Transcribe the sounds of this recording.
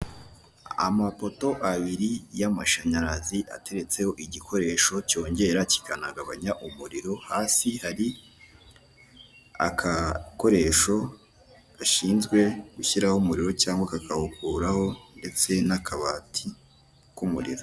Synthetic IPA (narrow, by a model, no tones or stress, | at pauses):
a̰mapo̞to̞ʔaβiɾijamaʃaɲaɾaziʔa̰te̞ɾe̞t͡se̞ho̞ʔiɟikʰo̞ɾe̞ːʃo̞co̞ːɲɟe̞ɾaci̥kʰanaɡaβa̰ɲaʔumuɾiɾo̞haːsihaɾi | a̰kʰako̞ɾe̞ʃo̞ | ɡ̥aʃiːnzɡwe̞ɡ̥uçiɾahumuɾiɾo̞caːŋɡwakakʰahukuːɾaho̞nde̞t͡se̞nakʰaβaːtʰi | kumṵɾḭɾo